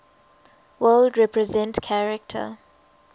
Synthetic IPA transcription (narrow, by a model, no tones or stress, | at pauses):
wɜldɹɛpʰɹɛzɛ̃ntkʰaɹɛk̚tʰə̰